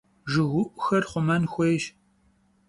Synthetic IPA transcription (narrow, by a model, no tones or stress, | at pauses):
ʒɨɣʷʊʔʊxɐrχʷʊmɐnxʷejʒ